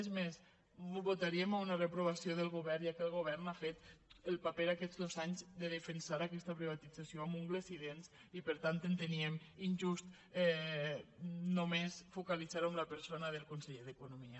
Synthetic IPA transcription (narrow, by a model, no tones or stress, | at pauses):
zmes | βot̪aɾiemaunarepɾuβ̞asioðəlˠɣuβɛɾʒakəlˠɣ̞oβɛɾnafet̪əlˠpapɛðakɛzd̪ozaɲzðəðəfensaɾakɛst̪apɾiβat̪id͡zasioamuŋɡlesiðens | ipəɾt̪ant̪ent̪enieminʲʒust̪ | ɛ | nomesfukalizaɾomlapəɾsonaðəlˠkunseʎeðekunumiə